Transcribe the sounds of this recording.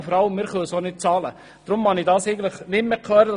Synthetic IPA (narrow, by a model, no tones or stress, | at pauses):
fɔɾɑləmːɪːɾχøːsoːnɪt̚t͡sɑːlə | d̥ɾʊmmɑnidɑːsɛɪɡən̩tləχnɪtmekʰlœːɾəd̥ɑ